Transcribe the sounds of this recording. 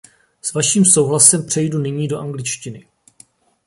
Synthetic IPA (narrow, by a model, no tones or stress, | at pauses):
svaʃiːmso̞wɦlasɛmpr̝̥ɛjdunɪɲiːdoʔaŋɡlɪt͡ʃcɪnɪ